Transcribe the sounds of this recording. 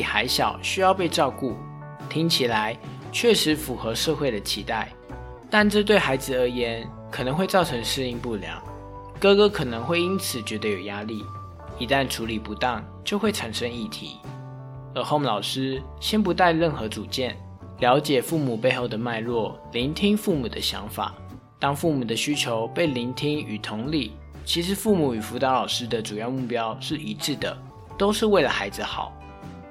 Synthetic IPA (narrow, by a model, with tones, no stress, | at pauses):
xa˧˥ɪɕjɑ˨˩ʊɕy˥jɑ˥˧ʊpe˥˧ɪʈ͡ʂɑ˥˧ʊku˥˩ | t̪ʰi˥ŋt͡ɕʰi˨˩la˧˦ɪt͡ɕʰɥɛ˥˩ʂɻ̩˧˦fu˨˩xɤ˧˥ʂɤ˥˧xwe˥˩ɪd̪ə˩t͡ɕʰi˧˥t̪a˥˩ɪ | t̪a˥˧nʈ͡ʂɤ˥˧t̪we˥˩ɪxa˧˥ɪd͡zɹ̩˨ə˧˥jɛ˧˥˦nkʰɤ˨˩nɤ˧˥ŋxwe˥˧ɪt͡sɑ˥˩ʊʈ͡ʂʰɤ˧˥ŋʂɻ̩˥˧i˥˧ŋpu˥˩ljɑ̰˧˥˦ʊ | kɤ˥kɤ˥kʰɤ˨˩nɤ˧˦˥ŋxwe˥˩ɪi˥nt͡sʰɹ̩˨˩t͡ɕɥɛ˧˥d̪ə˧˦jo˨˩ʊja˥li˥˩ | i˧˥t̪a˥˩nʈ͡ʂʰu˧˥li˨˩pu˧˥t̪ɑ˥˩ŋ | t͡ɕjo˥˧ʊxwe˥˩ɪʈ͡ʂʰa˨˩ŋʂə˥ŋi˥˩t̪ʰḭ˧˦ | ə˧˥xo˥˧m˨lɑ˨˩ʊʂɻ̩˥ | ɕjɛ˥npu˧˥t̪a˥˧ɪɻə˥˩nxɤ˧˥t͡su˨˩t͡ɕjɛ˥˩n | ljɑ˧˥ʊt͡ɕjɛ˨˩fu˥˩mu˨˩pe˥˧ɪxo˥˩ʊd̪ə˩ma˥˧ɪlwɔ˥˩ | li˧˥nt̪ʰi˥ŋfu˥˩mu˨˩d̪ə˦ɕjɑ̰˧˥ŋfa̰˨˩ | t̪ɑ˥ŋfu˥˩mu˨˩d̪ə˩ɕy˥t͡ɕʰjo˧˥ʊpe˥˩ɪli˧˥nt̪ʰi˥ŋy˨˩t̪ʰʊ˧˥ŋli˥˩ | t͡ɕʰi˧˥ʂ̬ɻ̩˧˥fu˥˩mu˨˩y˨˩fu˧˥t̪ɑ˧˥lɑ˨˩ʊʂɻ̩˦˥d̪ə˨ʈ͡ʂu˨˩jɑ˥˧ʊmu˥˩pjɑ˥ʊʂɻ̩˥˩i˧˥ʈ͡ʂɻ̩˥˩d̪ə̰˩ | t̪o˥ʊʂɻ̩˥˧we˥˩ɪlə˨˩xa˧˥ɪd͡z̩˨˧xɑ̰˨˩˦ʊ